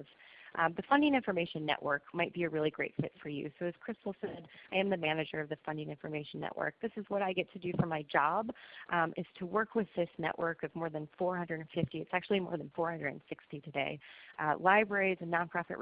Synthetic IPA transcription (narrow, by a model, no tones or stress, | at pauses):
z̥ʔðɨfʌ̃ndɪ̃ŋɪ̃ɱfə˞meɪʃɨ̃nːɛ̰ʔwɜ˞kmaɪt̚b̥iɨɹɪlˠiɡɹeɪtfɪ̰tfə˞jʉ̰soʊɨz̥kʰɹ̥ɪstl̩ˠsɛdʔaɪɨ̃mðɨmænɨd͡ʒə˞ʌvðɨfʌ̃ndɪ̃ŋɪ̃ɱfə˞meɪʃn̩ːɛ̰ʔwə̰˞k̚ðɪsɨzwʌɾaɪɡɛtʰɨdɨfə˞maɪd͡ʒɑbʔɨz̥tʰəwɜ˞kʰwɨðɪsnɛ̰ʔwʔɜ˞kʌvmɔɹðɨ̃nfɔɹhʌ̃ndɹɨɾɨ̃n̩fɪftiɨtsæk̚t͡ʃʉl̩ˠimɔ̰ɹðɨ̃n̩fɔɹhʌ̃ndɹə˞ɾɨ̰̃n̩sɪkstiɾɨdeɪlaɪbɹɛɹizɨ̃nːɑ̃npʰɹ̥ɑfɨ̰ʔ